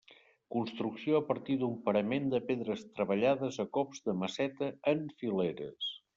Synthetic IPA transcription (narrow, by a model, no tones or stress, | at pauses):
kunst̪ɾuksioəpəɾt̪id̪umpəɾəmend̪əpeðɾəst̪ɾəβəʎaðəzəkɔpzd̪əməsɛt̪əːɱfileɾə̰s